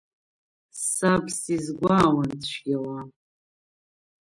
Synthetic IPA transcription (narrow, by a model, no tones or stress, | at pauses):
sabsizɡʷaːwandʃʷɡʲawa